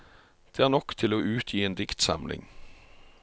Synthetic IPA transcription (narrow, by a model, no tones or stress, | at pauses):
d̪̥eːæːʁnɔkt̪ʰɪloːʔʉːt̪ʰjiːeːnd̪ɪkt̪sɑ̰mlɪ̰ŋ